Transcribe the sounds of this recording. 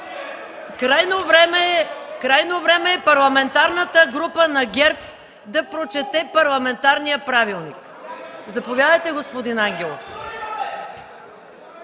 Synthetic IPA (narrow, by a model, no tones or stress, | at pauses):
ɾajnomkɾajnovɾɛmɛːpɐɾlˠɐmɛnt̪aɾnət̪əɡɾupənɐɡʲɛɾp̚ | d̪ɐpɾot͡ʃɛt̪ɛpɐɾlˠɐmɛnt̪aɾnijəpɾavilˠnik | zɐpovʲjad̪əjt̪ɛɡospod̪inaŋɡʲɛlˠof